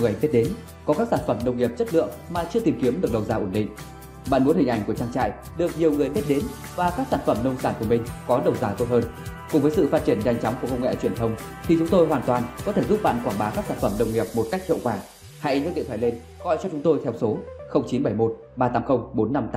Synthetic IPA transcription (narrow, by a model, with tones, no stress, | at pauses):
ŋɨ˨˩əjɓe˦˥t̚ɗe˨˦n | kɔ˨˦kaː˦˥k̚saː˧˩nfə˧˩mnə˧wŋ͡mŋi˨˩əp̚t͡ɕə˦˥t̚lɨ̰˧˨əŋmaː˨˩t͡ɕɨ˧ət̪i˨˩mki˨˦əmɗɨ˨˩ək̚ɗə˨˩wzaː˧ʔo˧˩nɗḭ˧˨ŋ̟ | ɓa̰ː˧˨nmu˨˦ənhï̟˨˩ʔa˧˩jŋ̟ku˧˩ət͡ɕaː˧ŋt͡ɕa̰ː˧˨j | ɗɨ˨˩ək̚ɲi˨˩əwŋɨ˨˩əjɓe˦˥t̚ɗe˨˦n | vaː˨˩kaː˦˥k̚saː˧˩nfə˧˩mnə˧wŋ͡msaː˧˩nku˧˩əmï˨˩ŋ̟kɔ˨˦ɗə˨˩wzaː˨˧˩t̪o˧t̚hɦəː˧nkʊ̰˧˨ŋ͡mvəː˨˦jsɨ̰˧˨faː˦˥t̚t͡ɕi˧˩ənza˧jŋ̟t͡ɕɔ˨˦wŋ͡mku˧˩əkə˧wŋ͡mŋɛ̰˧˨t͡ɕwi˧˩ənt̪ʰə˧wŋ͡m | t̪ʰi˨˩t͡ɕʊ˨˦ŋ͡mt̪o˧jɦwaː˨˩nt̪waː˨˩nkɔ˨˦t̪ʰe˧˩zu˦˥p̚ɓa̰ː˧˨nkwaː˧˩nɓaː˨˦kaː˦˥k̚saː˧˩nfə˧˩mnə˧wŋ͡mŋi˨˩əp̚mo˨˩t̚ka˦˥jk̚hḭ˧ə˨wkwaː˧˩ | ha̰˧˥jɲ̰ː˧˦˥ɗḭ˧˨t̪ʰaː˧˩˨le˧n | ɣɔ̰˧˨jt͡ɕɔ˧t͡ɕʊ˨˦ŋ͡mt̪o˧jt̪ʰɛ˧wso˨˦xə˧wŋ͡mt͡ɕi˨˦nɓa˧˩jmo˦˥t̚ | ɓaː˧t̪aː˨˦mxə˧wŋ͡mɓo˨˦nːa˧mt̪a˨